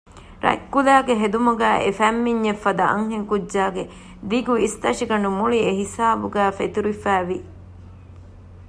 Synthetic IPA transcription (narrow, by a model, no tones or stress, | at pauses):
ɾɐ̰kːulæːɡeɦed̪umuɡæːʔefæmːiɲːefːɐd̪ɐʔɐ̰ŋɦeŋkudːʒaːɡe | d̪iɡuist̪ɐʃiɡɐɳumuɭieɦisaːbuɡæːfet̪uɾifæːʋi